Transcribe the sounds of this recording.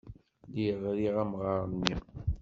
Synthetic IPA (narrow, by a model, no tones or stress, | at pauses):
liʁɾiʁæmʁəɾˤəni